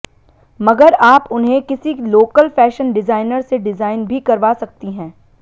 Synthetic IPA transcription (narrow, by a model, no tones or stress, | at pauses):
mɐɡəɾaːpʊnɦẽkɪsiloːkəlfɛːʃənɖɪzaːɪnəɾseɖɪzaːɪnbʱikɐɾʋaːsɐk̚t̪iɦɛ̃ː